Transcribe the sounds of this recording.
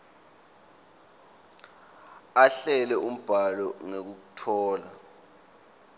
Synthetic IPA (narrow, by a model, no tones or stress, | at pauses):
aɬɛlɛʔum̩b̥ʱalɔŋek̬uk̬utʰɔːla